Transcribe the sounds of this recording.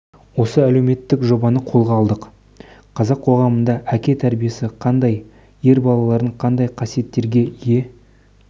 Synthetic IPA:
wo̞səæle̞wme̞t̪ːɪkʒo̞bɑnəqʰo̞lˠʁɑːlˠd̪əq | qʰɑzɑqʰo̞ʁɑmənd̪ɑʔækʲe̞t̪ʰæɾbije̞sɪqʰɑnd̪ɑj | je̞ɾbɑlˠɑlˠɑɾəɴqʰɑnd̪ɑjqʰɑsije̞t̪ːe̞ɾɡʲe̞je̞

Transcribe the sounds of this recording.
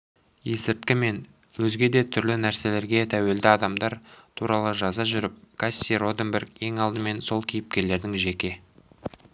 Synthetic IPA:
je̞sɪɾt̪̚kʲɪme̞n | wɵzɡʲe̞d̪e̞t̪ʰʏɾlɪnæɾse̞le̞ɾɡʲe̞t̪ʰæwe̞ld̪ɪɑd̪ɑmd̪ɑɾt̪ʰuɾɑlˠəʒɑzɑʒʏɾɪp̚kʰasʲiro̞d̪emberɡe̞ŋɑlˠd̪əme̞nso̞lˠkʲʰijɪp̚kʲe̞ɾle̞ɾd̪ɪŋʒe̞kʲe̞

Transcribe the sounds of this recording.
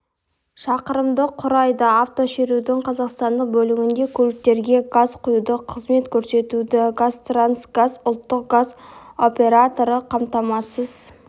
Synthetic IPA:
ʃɑqəɾəmd̪əqʰʊɾɑjd̪ɑaft̪o̞ʃe̞ɾud̪ɪŋqʰɑzɑqst̪ɑnd̪əq̚bɵlɪŋʲɪnd̪e̞kʲʰɵlɪk̚t̪e̞ɾɡʲe̞ɡazqʰʊjud̪əqʰəzme̞t̪kʲʰɵɾse̞t̪ud̪ɪɡast̪ransɡazʊlˠt̪ːəq̚ɡazo̞pʲe̞ɾat̪o̞ɾəqʰɑmt̪ɑmɑsəz̥

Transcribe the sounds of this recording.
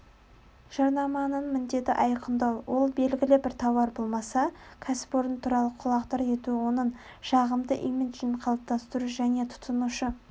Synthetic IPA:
ʒ̥ɑɾnɑmɑnəɴmɪnd̪e̞t̪ɪʔɑjqənd̪ɑwwo̞lˠbe̞lɡʲɪlɪbɪɾt̪ʰɑwɑɾbo̞lˠmɑsɑkʲʰæsɪ̥poɾənt̪ʰuɾɑlˠəqʰʊlˠɑqt̪ɑɾe̞t̪uwo̞nəɴ | ʃɑʁəmd̪əʔiment̪ʒiɴqʰɑlˠəp̚t̪ʰɑst̪əɾuʒæne̞t̪ʰʊ̥t̪ənuʃə

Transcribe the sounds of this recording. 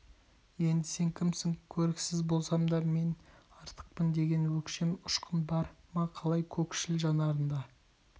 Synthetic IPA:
je̞nd̪ɪse̞ŋkʲʰɪmsɪŋkʲʰɵɾɪksɪzbo̞lˠsɑmd̪ɑme̞nɑɾt̪ʰə̥q̚pənd̪e̞ɡʲe̞nwɵkʃemʊʃqʰənbɑɾmɑqʰɑlˠɑjkʲʰɵkʃɪlʒɑnɑɾənd̪ɑ

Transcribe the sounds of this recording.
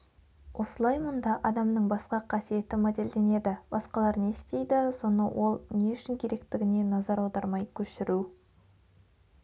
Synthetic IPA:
wʔo̞səlˠɑjmənd̪ɑʔɑd̪ɑmnəɴbɑsqɑqʰɑsije̞t̪ɪmæd̪e̞ld̪e̞ne̞d̪ɪbɑsqɑlˠɑɾne̞st̪e̞jd̪ɪso̞nəwʔo̞lˠne̞ʏʃɪŋkʲʰe̞ɾe̞kt̪ɪɡʲɪne̞nɑzɑɾɑwd̪ɑɾmɑjkʲʰɵʃɪɾu

